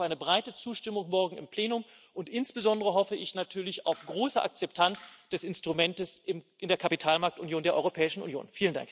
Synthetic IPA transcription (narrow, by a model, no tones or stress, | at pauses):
ʔaɪnəbʁaɪtət͡suːʃtɪmʊŋmɔɐɡŋ̩ɪmpl̥eːnʊmʔʊntʔɪnsb̥əzɔndəʁəɦɔfəʔɪçnatʰyːɐlɪça̰ʊfɡ̥ʁoːsəʔa̰k̚t͡sɛptʰant͡sd̥ɛsɪnstʁ̥umɛntəsɪmʔɪndeːɐkʰapitʰaːlmaɐk̚tʊnjoːndeːɐʔɔ̰ʏʁopʰɛːɪʃn̩ṵnjo̰ːnfiːlənda̰ŋk